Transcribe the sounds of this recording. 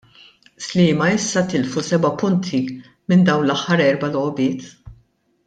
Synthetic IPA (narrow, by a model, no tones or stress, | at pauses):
slɪːmɐɪsːɐt̪ɪlfusɛbɐpʊnt̪ʰi | mɪnd̪ɐwnlɐħːɐɾɛɾbɐlɔːbɪːt̪